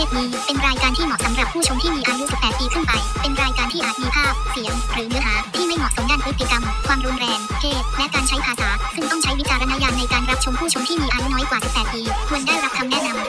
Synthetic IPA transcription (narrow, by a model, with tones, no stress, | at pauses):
eː˥˩t̪̚niː˦˥pe˧nɾaː˧jkaː˧nt̪ʰiː˥˩mɔː˨˩k̚sa˩˦mɾa˨˩pʰːuː˥˩t͡ɕʰo˧mt̪ʰiː˥˩miː˧ʔaː˧ju˦˥sʰpːɛː˨˩t̪̚piː˧kʰɯ˥˩npa˧jpe˧nɾaː˧jkaː˧nt̪ʰiː˥˩ʔaː˨˩t̪̚miː˧pʰaː˥˩p̚si˨˩˦əŋɾɯː˩˦nɯ˩˥ɐɦaː˩˦t̪ʰiː˥˩ma˥˩jmɔː˨˩k̚so˩˦ŋdaː˥˩npʰɯ˦˥t̪ʰːi˨˩ka˧mkʰwaː˧mɾu˦˥nɾɛː˧ŋkʰeː˥˩t̪̚lɛ˦˥kaː˧nt͡ɕʰa˦˥jpʰaː˧saː˩˦sɯ˥˩ŋt̪ɔ˥˩ŋt͡ɕʰa˦˥jwi˦˥t͡ɕaː˧ɾa˧na˦˥jaː˧nːa˧jkaː˧nɾa˦˥p̚t͡ɕʰo˧mpʰuː˥˩t͡ɕʰo˧mt̪ʰiː˥˩miː˧ʔaː˧ju˦˥nɔː˦˥jkwaː˨˩si˨˩p̚ːɛː˨˩t̪̚piː˧kʰu˧əndaː˥˩jɾa˦˥p̚t̪ʰa˧mnɛ˦˥˩na˧m